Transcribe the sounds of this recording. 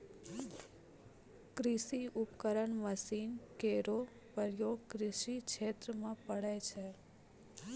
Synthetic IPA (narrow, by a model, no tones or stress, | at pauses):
kɾiʃiupkəɾəɳməsinkeɾo | pəɾjokɾɪʃikʃʰet̪ɾəmãpəɽet͡ʃʰe